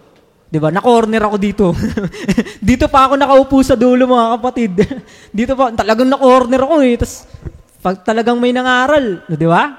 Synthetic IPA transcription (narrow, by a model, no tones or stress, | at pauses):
d̪ɪbanɐkoːɾnɛɾɐko̞d̪iːt̪o̞ | d̪iːt̪o̞pɐɐko̞nɐkɐʔʊpuːsɐd̪oːlomɐŋakɐpɐt̪ɪd̪̚ | d̪iːt̪opɐt̪ɐlɐɡaŋnɐkoːɾnɛɾɐko̞ɛt̪ɐs | pɐɡ̚t̪ɐlɐɡaŋmɐjnɐŋaːɾɐlod̪ɪba